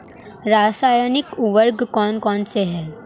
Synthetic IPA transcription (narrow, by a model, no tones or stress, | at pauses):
ɾaːsaːjənɪkuʋəɾɡkɔːnkɔːnseɦɛː